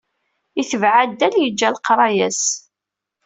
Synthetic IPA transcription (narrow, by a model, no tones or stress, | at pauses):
iθəvʕad̪ːæljəd͡ʒːælqɾˤɑjæs